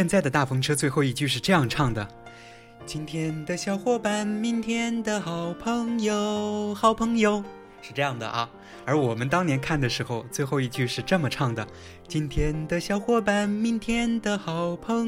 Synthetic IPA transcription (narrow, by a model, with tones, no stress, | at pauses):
ɕjɛ˥˧nt͡sa˥˩ɪd̪ə˩t̪a˥˩fɤ˧˥ŋʈ͡ʂʰɤ˥t͡swe˥˧ɪxo˥˧ʊi˥˧t͡ɕy˥˧ʂ̬ɻ̩˥˧ʈ͡ʂɤ˥˧jɑ˥˧ŋʈ͡ʂʰɑ˥˩ŋd̪ə˩ | t͡ɕi˥nt̪ʰjɛ˥nd̪ə˨ɕjɑ˥ʊxwɔ˥˩pa˧˩nmi˥nt̪ʰjɛ˥nd̪ə˧xɑ˨˩ʊpʰɤ˧˥ŋjo˧˩xɑ˨˩ʊpʰɤ˧˥ŋjo˧˥ʊ | ʂɻ̩˥˧ʈ͡ʂɤ˥˧jɑ˥˩ŋd̪ə̰˩ʔɐ˧˩ | ə˞˧˥wɔ˨˩mə˦nt̪ɑ˥ŋnjɛ˧˥nkʰa˥˩nd̪ə˩ʂɻ̩˧˥xo˧ʊt͡swe˥˧ɪxo˥˧ʊi˥˧t͡ɕy˥˧ʂɻ̩˥˧ʈ͡ʂɤ˥˩mə˩ʈ͡ʂʰɑ˥˩ŋd̪ə˩ | t͡ɕi˥nt̪ʰjɛ˥nd̪ə˨ɕjɑ˥ʊxwɔ˥˧˩pa˨˩nmi˥nt̪ʰjɛ˥nd̪ə˨xɑ˨˩ʊpʰɤ˧˥ŋ